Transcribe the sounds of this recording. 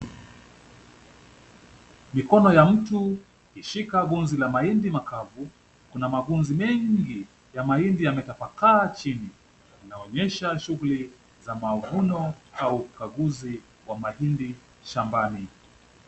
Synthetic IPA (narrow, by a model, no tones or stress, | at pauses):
mikɔnɔjam̩tu | hiʃikaɡunzilamaindimakavu | kunamaɡunzimɛŋɡi | jamaindijamɛtafakaːt͡ʃini | inaɔɲɛʃaʃuɣuli | zamavunɔaukaɡuzi | wamahindi | ʃambani